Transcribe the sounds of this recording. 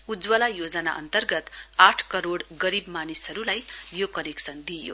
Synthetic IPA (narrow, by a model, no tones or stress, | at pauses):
ud͡zwʌlajod͡zʌna̰ʔʌ̰nt̪ʌrɡʌt̪aʈʰkʌɾoɽɡʌɾibmanisʌɾulajjokʌneksʌnd̪ijo̰